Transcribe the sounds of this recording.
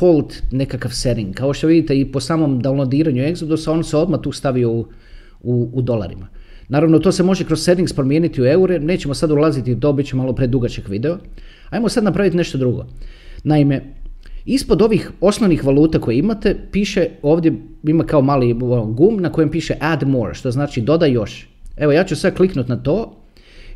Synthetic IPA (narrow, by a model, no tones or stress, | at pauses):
fo̞lˠt̪ne̞kakaʋseɾiŋɡkao̞ʃt̪oʋid̪it̪eipo̞saːmo̞md̪alod̪iːɾaɲue̞ɡzod̪usao̞nseo̞d̪mat̪uːst̪aʋiou | uːd̪o̞lˠa̰ɾḭma | naːɾaʋnot̪ose̞mo̞ʒekɾosse̞ɾiŋɡspɾomjeːnit̪iue̞uɾeneːt͡ɕe̞mosad̪ulˠazit̪it̪o̞bitt͡ɕemalˠo̞pɾed̪uɡat͡ɕekʋid̪eo | ajmosad̪napɾaʋit̪ne̞ʃt̪o̞d̪ɾuɡo̰naimeispo̞d̪o̞ʋixo̞sno̞ʋnixʋalˠuːt̪ako̞jeimat̪e̞piːʃeoːʋd̪je̞ | imakao̞maːliooɡumnako̞jempiːʃeʔad̪moɾʃt̪oznaːt͡ʃid̪o̞d̪ajo̞ʃ | e̞ʋo̞jaːt͡ɕusʋakliknut̪nat̪o̞ː